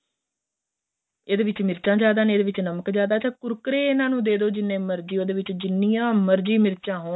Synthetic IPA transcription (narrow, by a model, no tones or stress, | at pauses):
eːd̪eːʋɪt͡ʃmɪɾt͡ʃãːd͡ʒaːd̪aːneeːd̪eːʋɪt͡ʃnəməkd͡ʒaːd̪aːt͡ʃʰãːkʊɾkɾeːɪnãːnũːd̪eːd̪oːd͡ʒɪnːẽːməɾd͡ʒiːoːd̪eːʋɪt͡ʃd͡ʒɪnːijãːməɾd͡ʒiːmɪɾt͡ʃãːɦoː